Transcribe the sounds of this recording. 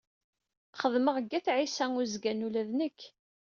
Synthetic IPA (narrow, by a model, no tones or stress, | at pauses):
χəðməʁəɡːæθʕisæŋʊzɡænulæðnəkː